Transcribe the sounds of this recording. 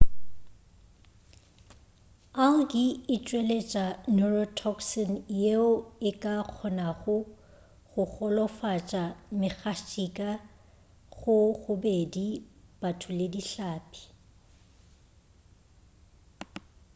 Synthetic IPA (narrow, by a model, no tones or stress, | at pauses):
aʊkʼɪɪt͡ʃʼwelet͡ʃʼanurɔtʰɔksɔnjeʊɪkʼaq͡χʰɔnaɣʊ | ɣʊɣʊlɔfat͡ʃʼamɪɣaʃʼikʼa | ɣʊɣʊbedib̥atʰʊlediɬaːpʼi̥